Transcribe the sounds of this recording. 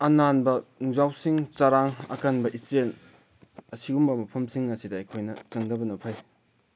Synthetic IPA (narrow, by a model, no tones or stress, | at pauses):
ɐnanbɐnuŋzawsiŋt͡ʃaɾaŋɐ̰kanbɐʔisen | ɐsiumbɐmɐpʰɐmsiŋːɐsidɐːjkʰojnɐt͡ʃɐŋdɐbɐnɐpʰaj